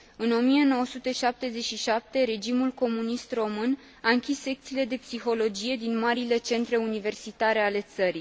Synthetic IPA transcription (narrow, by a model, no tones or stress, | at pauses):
ɨno̞mije̞no̞wəsut̪e̞ʃap̚t̪e̞ze̞t͡ʃʃiʃap̚t̪e̞ɾe̞d͡ʒimulko̞munist̪ro̞mɨn | aɨŋkʲisːe̞k̚t̪sile̞d̪e̞psixo̞lo̞d͡ʒije̞d̪inmaɾile̞t͡ʃe̞nt̪ɾe̞unive̞rsit̪aɾe̞ale̞t̪səɾi